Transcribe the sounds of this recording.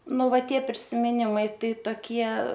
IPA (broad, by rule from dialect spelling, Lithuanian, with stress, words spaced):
ˈnʊ ˈʋɐ ˈtʲiɛ pʲrʲɪsʲɪmʲɪˈnʲɪmɐɪ ˈtɐɪ toːˈkʲiɛ